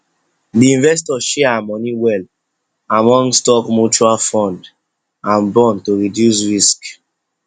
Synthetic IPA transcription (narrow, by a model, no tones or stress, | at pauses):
diĩnvɛstɔʃɛamɔniwɛl | amɔ̃ŋstɔkmut͡ʃualfɔ̃nd | ãnbɔ̃ntoɹidjus̬ɹisk